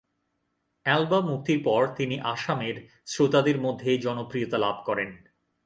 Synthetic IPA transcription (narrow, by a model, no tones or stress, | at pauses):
ɛlbamuk̚t̪iɾpɔɾt̪iniʔaʃameɾ | sɾot̪ad̪eɾmod̪ʱːed͡ʑɔnopɾijot̪alab̚ʱkɔɾen